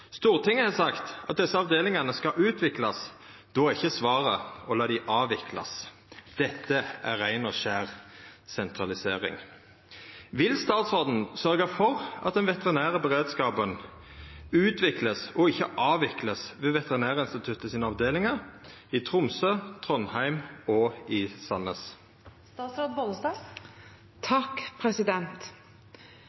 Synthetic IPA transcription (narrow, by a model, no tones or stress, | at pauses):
st̪uːʁt̪ʰɪŋːəhɑːsɑkt̪ɑt̪̚d̪ɛsːəɑʋd̪eːlɪŋɑnəskɑʔʉːt̪ʰʋɪklɑsd̪̥oːɪçːəsʋɑːʁəɔlɑːd̪æʔɑːʋɪkʰlɑ̰s | d̪̥ɛt̪ʰːəʔæʁæɪnɔʃæːʁsɛnt̪ʁɑlɪseːʁɪ̰ŋ | ʋɪlst̪ɑːt̪sʁoːd̪n̩sœʁɡəfɔʁɑ̰t̪̚d̪ɛnʋɛt̪əʁɪnæːʁəbəʁeːd̪skɑːpən | ʉːt̪ʰʋɪkləsɔɪçːəʔɑːʋɪkləsʋeːʋɛt̪əʁɪnæːʁəɪnst̪ɪt̪ʰʉt̪ːəsiːnəɑʋd̪eːlɪŋəit̪ʰʁʊmsøːt̪ʰʁɔnhæɪmɔɪsɑnəs | st̪ɑːt̪sɾoːd̪̚bɔləsd̪ɑː | t̪ʰɑkpʰɾɛsɪd̪ɛnt̪